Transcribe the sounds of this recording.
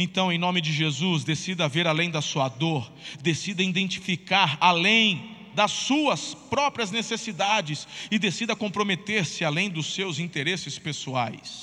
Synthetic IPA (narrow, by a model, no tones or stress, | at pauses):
ẽt̪ɐ̃w̃ẽj̃nõmɪd͡ʒɪʒezuzd̪esid̪ɐaveɾalẽj̃d̪ɐsuɐd̪oɾd̪esid̪ɐĩd̪ẽnt͡ʃifikaɾalẽj̃ | d̪ɐsːuɐspɾɔpɾiɐznesesid̪ad͡ʒɪsɪd̪esid̪ɐkõpɾomet̪eɾsɪalẽj̃d̪ʊsewzĩt̪eɾesɪspesua̰js